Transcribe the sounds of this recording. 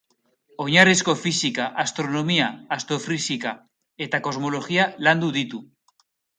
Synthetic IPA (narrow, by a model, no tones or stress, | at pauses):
oɲaɾeskofisikaʔast̪ɾonomiaːst̪ɾofɾisika | et̪ako̞zmoloxialand̪uðit̪u